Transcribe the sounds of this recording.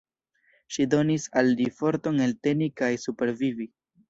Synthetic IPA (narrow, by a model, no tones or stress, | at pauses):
ʃido̞nisalːifo̞ɾto̞ne̞lte̞nikajsupe̞ɾvivi